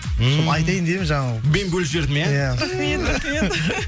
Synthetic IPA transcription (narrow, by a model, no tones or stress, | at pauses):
soɑjt̪ɑjnd̪emɪnʒɑɴɑlˠmenbɵlʃ̬eɾd̪ɪmjejæ | e | e